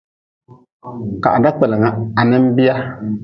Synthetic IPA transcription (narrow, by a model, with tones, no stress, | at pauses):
ka̰˨ʔa˨da˦k͡pɛ˨lɪ˨ŋa˦a˨nɨ˦m˦bi˦a˦